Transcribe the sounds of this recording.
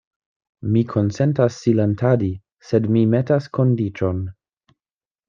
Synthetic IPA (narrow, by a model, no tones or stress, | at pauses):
mikʰo̞nse̞ntasːilantʰadi | se̞dmime̞taskʰo̞ndit͡ʃo̞n